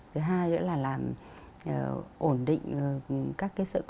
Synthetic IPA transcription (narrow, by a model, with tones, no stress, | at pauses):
t̪ʰɨ˨˦ɦaː˧jzə̰˧˥laː˨˩laː˨˩m | ʔːʔo˧˩nɗḭ̈˧˨ŋ̟ː˨˩kaː˦˥kːaː˨˦jsɨ̰˧˨k